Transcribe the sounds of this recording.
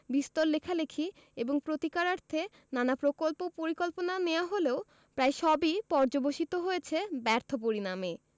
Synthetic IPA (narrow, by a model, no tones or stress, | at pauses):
bist̪oɾlekʰalekʰi | eboŋpɾot̪ikaɾaɾt̪ʰe | nanapɾokolpopoɾikolponaneoaɦoleo | pɾaeʃɔbipɔɾd͡ʑoboʃit̪oɦojet͡ɕʰebɛɾt̪ʰop̬oɾiname